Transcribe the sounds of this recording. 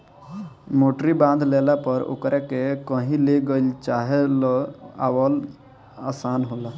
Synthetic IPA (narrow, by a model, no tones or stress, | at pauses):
moʈɾibãnd̪ʱlelapəɾo̰kɾekekəɦĩleɡəlt͡ʃaɦelɔa̰wəl | a̰ːsaːnɦola